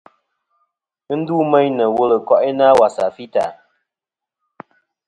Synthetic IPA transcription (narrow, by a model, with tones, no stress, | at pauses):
ɨ˦n̩˦du˦mɛ˦ɲnə˨wo˦lə˨kɔ˦ʔɪ˦na˦wa˨sa˨fi˦ta̰˨